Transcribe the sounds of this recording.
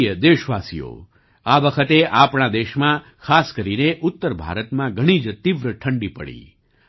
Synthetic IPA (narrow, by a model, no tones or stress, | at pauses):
jəd̪eʃʋasḭjo̰ | aʋəkʰət̪eʔapɳad̪eʃmã | kʰaskəɾineʔʊt̪ːəɾbʱa̰ɾət̪mãɡʱəɽ̃id͡ʒt̪iʋɾəʈʰəɳɖipə̰ɽḭ